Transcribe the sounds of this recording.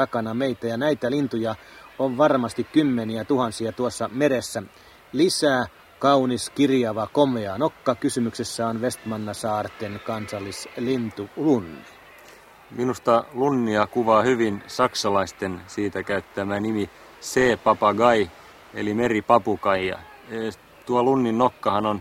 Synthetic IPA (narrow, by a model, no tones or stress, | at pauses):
t̪ɑkɑnɑmeit̪æjɑnæit̪ælint̪ujɑ | oʋʋɑrmɑst̪ikkymːeniæt̪uhɑnsiɑt̪uosːɑmeɾesːæ | lisæː | kɑuniskirjɑʋɑkomeɑnokːɑkysymyksesːæonʋest̪mɑnːɑsɑːrt̪enkɑnsɑlːislint̪ulunːi | minust̪ɑlunːiɑkuʋɑːhyʋinsɑksɑlɑist̪ensiːt̪ækæyt̪t̪ːæmænimi | seːpɑpɑɡɑi | ḛlimeripɑpukɑijɑ̰ | e | t̪uɑlunːinːokːɑhɑnon